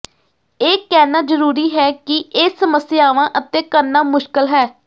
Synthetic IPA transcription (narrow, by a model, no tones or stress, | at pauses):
eːkɛːnaːzəɾuːɾiːɦɛːkɪʔeːsəməsjaːʋãːʔət̪ẽːkəɾnaːmʊʃkəlɦɛː